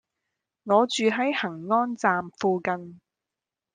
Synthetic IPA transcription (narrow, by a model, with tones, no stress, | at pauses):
ŋɔː˨˧t͡ʃyː˨ɦɐ˨˥jhɐ˨˩ŋːɔː˥nt͡saː˨mfuː˨˧kɐ˧n